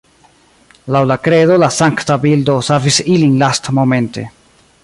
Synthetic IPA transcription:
lawlakɾe̞do̞lasaŋktabildo̞savisilinlastmo̞me̞nte̞̰

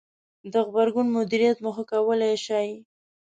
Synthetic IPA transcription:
d̪əɣbaɾɡunmʊd̪iɾijat̪məxakawəlaʃɑj

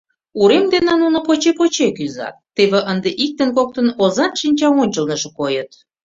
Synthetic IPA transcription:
uɾemd̪enɑnunopot͡ɕepot͡ɕekyzɑ̰t̪ːeβeʔənd̪eʔik̚t̪ənkok̚t̪ə̆nozɑnʃinʲt͡ɕɑonʲt͡ɕəlnə̆ʒĕkojət̪

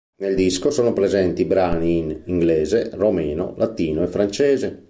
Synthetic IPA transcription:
neld̪iskosoːnopɾɛzɛnt̪ibɾaːniːniŋɡlɛːzeromɛːno̰lʔat̪ːiːnoɛfɾant͡ʃɛːze

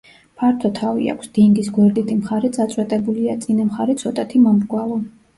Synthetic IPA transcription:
pʰaɾt̪ʰɔt̪ʰavḭa̰kʷʰsd̪̥iŋɡisɡwɛɾd̪it̪ʰʼimχaɾɛd̪sʼat̪sʼwɛt̪ʼɛbuliat̪sʼinamχaɾɛt̪sʰɔt̪ʼat̪ʰimamɾɡwalˠɔ

